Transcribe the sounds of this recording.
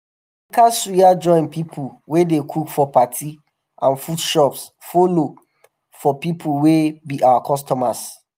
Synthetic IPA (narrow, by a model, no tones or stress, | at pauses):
kasujad͡ʒɔ̃ɪ̃npipʰulwedekʰukfɔpatʰi | ʔãnfudʃɔps | folo | fɔpipʰuwebiʔawakʰɔstɔmas